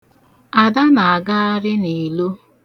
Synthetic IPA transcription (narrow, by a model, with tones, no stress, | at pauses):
a˨da˦na˨a˨ɡa˦a˦ɾɪ˦ni˨lo˦